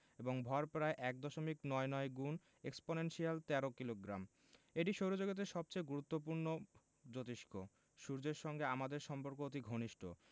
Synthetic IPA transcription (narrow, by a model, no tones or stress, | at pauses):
eboŋbʱɔɾpɾaeʔɛk̚d̪ɔʃomiknɔenɔeɡun | eksponenʃialt̪ɛɾokiloɡɾam | eʈiʃoɾod͡ʑoɡet̪̬eʃɔb̚t͡ɕejɡuɾut̪ːop̬uɾno | d͡ʑot̪iʃkʰo | ʃuɾd͡ʑeɾʃɔŋɡeamad̪eɾʃɔmpoɾkoot̪iɡʱoniʃʈo̰